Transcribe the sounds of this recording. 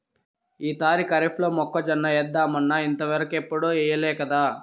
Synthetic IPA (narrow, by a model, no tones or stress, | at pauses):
iːt̪aːɾikɐɾipʰlo̞ːmɔkːɐd͡ʒɐnːɐjɛd̪ːaːmɐnːɐint̪ɐʋɐɾɐkepːuɽoːɛːjɐlɛːkɐd̪aː